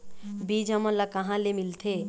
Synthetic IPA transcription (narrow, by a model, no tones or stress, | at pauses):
biːd͡ʒɐmõlakɐɦãlemɪlt̪ʰe